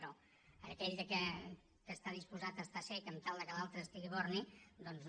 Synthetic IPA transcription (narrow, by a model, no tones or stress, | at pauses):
ɾɔ | əkɛʎəkə | kəst̪aðispuzat̪əst̪asekəmt̪alˠd̪əkəlalˠt̪ɾəːst̪iɣiβɔrnid̪ɔnz